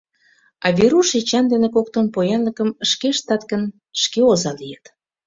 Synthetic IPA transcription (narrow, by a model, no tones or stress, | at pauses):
ɑβʲeɾuʃet͡ɕɑnd̪enekok̚t̪onpojɑnləkəməʃkeʃt̪ɑt̪kən | ʃkeozɑlijət̪